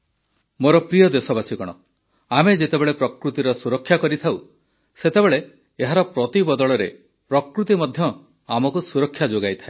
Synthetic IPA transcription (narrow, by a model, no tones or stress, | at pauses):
moɾɔpɾijɔd̪esɔbasikɔɽ̃ɔ | amed͡ʒet̪ebeɭepɾɔkɾut̪iɾɔsuɾɔkʰːjakɔɾit̪ʰaw | set̪ebeɭeː | ɦaɾɔpɾɔt̪ibɔd̪ɔɭɔɾe | pɾɔkɾut̪imɔd̪ʱjɔ | amɔkusuɾɔkʰːjad͡ʒoɡajt̪ʰae